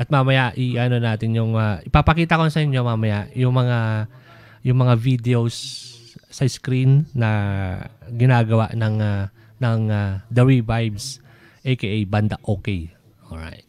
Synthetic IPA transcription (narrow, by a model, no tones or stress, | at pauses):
ʔɐt̪̚mamɐjaʔiʔɐno̞naːt̪ɪnjʊŋɐɪpapɐkiːt̪ɐkonsɐjonɲomamɐjajʊŋmɐŋa | jʊŋmɐŋavid̪ɛosː | ɐɪskɾinːɐ | ɡɪnaːɡɐwaʔnɐŋa | nɐŋad̪ɐɾivajbs | ʔɐjkeʔajband̪aʔoːkej | ʔoɹa̰jt̪̚